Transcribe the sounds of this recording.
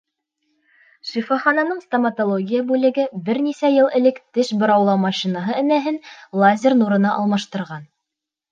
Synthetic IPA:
ʃifoχɑnɑnɤɴst̪ɐmɐt̪olˠoɡʲijabʉlɘ̆ɡɘbɘɾnisæjɤlˠɘ̆lɘkt̪ɘʃbŏɾɑwlˠɑwmɑʃinɑɦɤɘ̆næɦɘnlˠazʲɪrnuɾɤ̆nɑʔɑlˠmɑʃt̪ɤ̆ɾʁɑn

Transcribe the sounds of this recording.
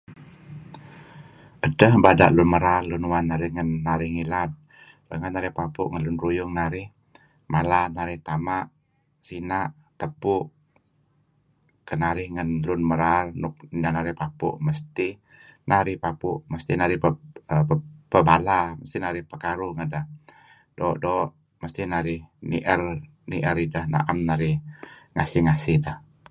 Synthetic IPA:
ʔədəhbada̰ʔlʊnməɾarlʊnwanːaɾɪhŋənːaɾɪhŋilat̪̚ | rəŋənːaɾɪhpapʊʔŋənlʊnɾujʊŋnaɾɪh | malanaɾɪht̪amaʔ | sinaʔ | t̪əpʊʔ | kənaɾɪhŋənlʊnməɾarnʊk̚danaɾɪhpapṵʔməst̪i | naɾɪhpapʊʔməst̪inaɾɪhpəəpəbalaməst̪inaɾɪhpəkaɾuŋədah | doːʔdoːʔ | məst̪ihnaɾɪhnḭʔər | niʔəɾidahna̰ʔamnaɾɪhŋasɪhŋasɪhdah

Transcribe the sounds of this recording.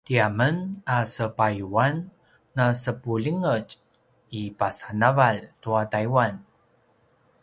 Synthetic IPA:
tiamənasəpajuanː | asəpuliŋəd͡ʒ | ipasanavaltuat̪aiwan

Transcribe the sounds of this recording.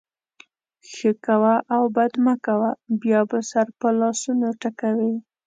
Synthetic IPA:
xəkawaʔːwbad̪makawabjɑbasaɾpəlɑsunoʈakawi

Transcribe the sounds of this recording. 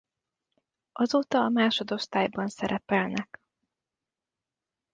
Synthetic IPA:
ʔɒzoːt̪ɒːmaːʃo̞d̪o̞ʃt̪aːjbɒnsɛɾʔɛpɛlnɛk

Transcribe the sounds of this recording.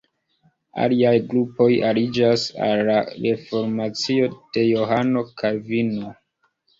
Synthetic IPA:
a̰liajɡɾupo̞jalid͡ʒasa̰lːaɾe̞fo̞ɾmat͡sio̞d̥e̞jo̞ɦano̞kʰaɾvino

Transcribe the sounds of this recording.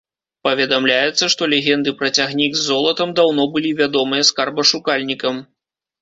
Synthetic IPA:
pɐvʲɛd̪amlʲajɛt̪sːɐʂt̪ɔlʲeɣʲɛnd̪ɨpɾɐt͡sʲaɣnʲiɡzːɔlˠɐt̪ɐmd̪awnɔbɨlʲivʲad̪ɔmɨjɐskarbɐʂukalʲnʲikɐm

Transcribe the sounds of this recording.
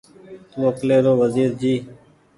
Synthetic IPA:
loːkleːɾoːʋəziːɾd͡ʒiː

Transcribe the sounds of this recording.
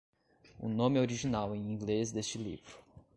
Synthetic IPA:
ʊ̰nõmɪoɾiʒinawẽj̃ĩɡlezd̪est͡ʃɪlḭvɾʊ

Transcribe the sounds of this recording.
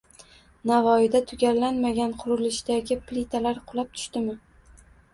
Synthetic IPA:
navɒɪd̪at̪ʰʊɡʲaɾlanmaɡʲanqʰʊɾɪlɪʃd̪aɡʲɪplit̪ʰalaɾqʰʊlˠap̚t̪ʰʊ̥ʃt̪ɪmɪ

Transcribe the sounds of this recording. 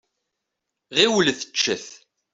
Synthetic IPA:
ʁiwlθə̥t͡ʃːəθ

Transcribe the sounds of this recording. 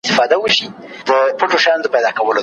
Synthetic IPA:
st̪ɪfɑd̪awəʃid̪əpəʈoʃɑjɑnd̪əpajd̪ɑkawəlo

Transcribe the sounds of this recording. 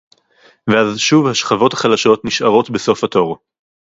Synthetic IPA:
veazʃuvhaʃχavo̞thaχalaʃo̞tniʃʔaʁo̞tbeso̞fhato̞ʁ

